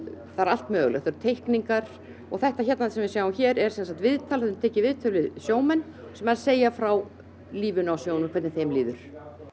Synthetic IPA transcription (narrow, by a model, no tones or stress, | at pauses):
θaðɾal̥t̪mœːɣlɛ̰θaɾt̪ʰejhkniŋkaɾ̥ | ɔ̰ɣθɛht̪açɛt̪naθsɛmvɪsjaːwmçɛːɾɛɾ̥sɛns̬at̪vɪðt̪ʰalðʏmt̪ʰɛːcɪvɪðt̪ʰœlɪðsjoːwmɛnː | sɛmaɾseːjafɾaw | liːvʏnawsjoːwnʏmkʰvɛɾt̪nθejmliːðʏɾ̥